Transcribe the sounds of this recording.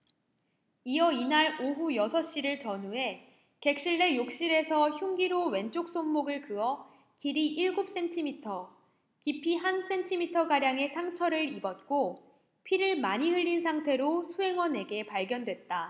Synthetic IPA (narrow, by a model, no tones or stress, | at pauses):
iʌinaɾoɦujʌsʰʌɕ͈iɾɯɭt͡ɕʌnue̞ | ke̞k̚ɕ͈iɭːe̞jok̚ɕ͈iɾe̞sʰʌçjuŋɡiɾowe̞nt͡ɕ͈ʰok̚s͈onmoɡɯɭkɯʌ | kiɾiʔiɭɡop̚s͈e̞ntʰimitʰʌ | kipʰiɦans͈e̞ntʰimitʰʌɡaɾjaŋe̞sʰaŋt͡ɕʰʌɾɯɭibʌt̚k͈o | pʰiɾɯɭmaɲihɯɭʎːinsʰaŋtʰe̞ɾosʰuɦe̞ŋwʌne̞ɡe̞paɭɡjʌndwet̚t͈a